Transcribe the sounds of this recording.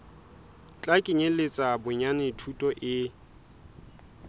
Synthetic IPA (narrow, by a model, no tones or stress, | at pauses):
t͡ɬʼakʼɪɲelɪt͡sʼabʊɲanɪtʰutʼɔʔɪ